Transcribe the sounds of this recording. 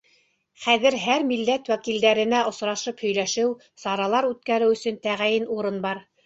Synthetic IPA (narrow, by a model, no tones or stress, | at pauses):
χæðɘ̆ɾɦæɾmilːæt̪wækild̪æɾɘ̆næʔŏsɾɑʃɤphɵ̆jlæʃɘw | sɑɾɑlˠɑɾʉt̪̚kæɾɘwɵ̆sɵ̆nt̪æʁæjɘnuɾɤnbɑɾ